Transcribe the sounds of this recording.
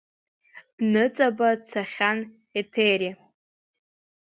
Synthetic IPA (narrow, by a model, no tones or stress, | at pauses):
d̥nɨt͡sʼabat͡sʰaχʲan | etʰeɾi